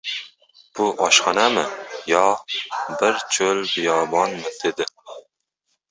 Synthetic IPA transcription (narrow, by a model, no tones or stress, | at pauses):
b̥uʔɑʃχɑnɛmɪjɑ | bɪɾt͡ʃʰølbijɑːbɑnmɪd̪̥ed̪ɪ